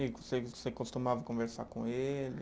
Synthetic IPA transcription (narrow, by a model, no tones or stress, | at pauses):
iosesekost̪umavɐkõveɾsa̰kõelɪ